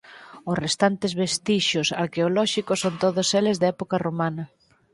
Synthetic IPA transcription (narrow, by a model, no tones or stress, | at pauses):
ʊsrest̪ant̪ɪzβest̪iʃʊsaɾkeolɔʃikʊsːont̪oðʊselɪzðɛpokaromanɐ